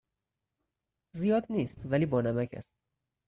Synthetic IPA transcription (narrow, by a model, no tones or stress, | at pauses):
zijɒːd̪niːst̪væliːbɒːnæmæcʰæ̰st̪̚